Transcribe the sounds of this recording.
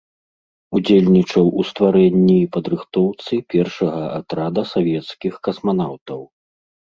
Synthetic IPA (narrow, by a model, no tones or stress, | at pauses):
ud͡zʲelʲnʲit͡ʂɐwust̪vaɾɛnʲːiːpɐd̪ɾɨxt̪ɔwt̪sɨpʲɛrʂɐɣɐa̰t̪ɾad̪ɐsavʲɛt̪skʲixkɐsman̪awt̪ɐw